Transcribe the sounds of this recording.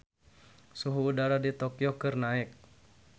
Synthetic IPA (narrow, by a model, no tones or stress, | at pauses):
suɦuːdaɾadit̪okiokɨrnaɪk̚